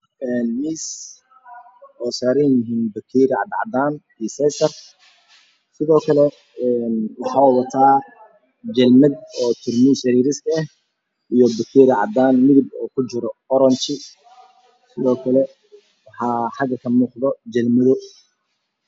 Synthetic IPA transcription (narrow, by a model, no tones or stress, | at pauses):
ɛːnmiːs | ɔːsaːɾɪnjɪɦiːnbɐkʰiːɾɪʕɑ̰d̪ʕɑ̰d̪aːn | isɛsɐr | sɪðɔːkʰɐlɛ | ɛnwɑħɑːwɐt̪ʰaː | d͡ʒɐlmɐd̪ɔːt̪ʰʊrmiːsɐɾiːɾɪskʰɐɛh | ʔijɔbɐkʰiːɾɪʕɑd̪aːnmɪðɪbɔːkʰʊt͡ʃɪɾɔːɾɐnt͡ʃɪ | sɪðɔːkʰɐlɛ | wɑħɑːħɑɡɐkʰɐmuːqðɔd͡ʒɐlmɐðɔ